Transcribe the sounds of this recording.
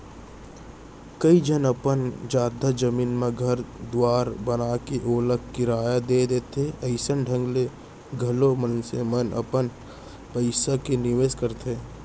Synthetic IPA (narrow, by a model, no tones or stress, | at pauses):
kəid͡ʒənəpənd͡ʒaːd̪ad͡ʒəmiːnmẽɡʱəɾd̪waːɾbənakeʔoːləkkɪɾaːjad̪eːd̪eːt̪ʰeɐɪsənɖʱə̃ŋɡle | ɡʱəlomənsemənə̰pən | pəɪsakenɪʋeːskəɾt̪ʰeː